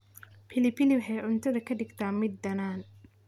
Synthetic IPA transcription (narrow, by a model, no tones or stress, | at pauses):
pʰɪlɪpʰɪlɪħɛjʕʊnt̪ʰɐðɐkʰɐɖɪɡt̪ʰaːmɪd̪ːɐnaːn